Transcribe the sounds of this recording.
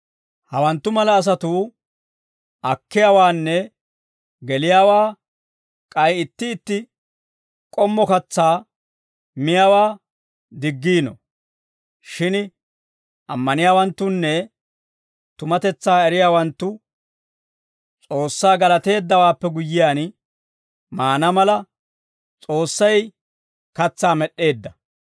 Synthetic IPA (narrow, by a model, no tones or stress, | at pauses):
hɐwɐnt̪ːʊmɐlɐːs̬ɐt̪uː | ʔɐkːɪjawaːnːɛ | ɡɛlɪjaːwaː | kʼɐjɪt̪ːɪːt̪ːɪ | kʼɔmːɔkɐt͡sːaː | mɪjaːwaː | d̪ɪɡːiːnɔ̰ | ʃɪn | ʔɐmːɐnɪjaːwɐnt̪ːʊnːɛ | t̪ʊmɐt̪ɛt͡sːaːɛɾɪjaːwɐnt̪ːʊ | t͡sʼo̞ːsːaːɡɐlɐt̪e̞ːd̪ːɐwaːpːɛɡʊjːɪjaːn | maːnɐmɐlɐ | t͡sʼo̞ːsːɐj | kɐt͡sːaːmɛɗːe̞ːd̪ːɐ